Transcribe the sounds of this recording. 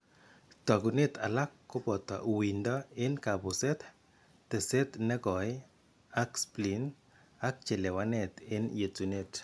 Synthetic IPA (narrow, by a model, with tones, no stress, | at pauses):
ta˨ɡu˨ne˦ta̰˨la˦kːʊ˦bɔ˨tɔ̰˨ʔwi˨ndɔ˦ɪ˦nka˨bʊ˨se˦t | te˨se˦tnɛ˦ɡɔ˨ɪ˦ | a˦kspli˨n | a˦k̚t͡ʃe˨le˨wa˦nɛ˨tɪ˦nje˨tu˨ne˦t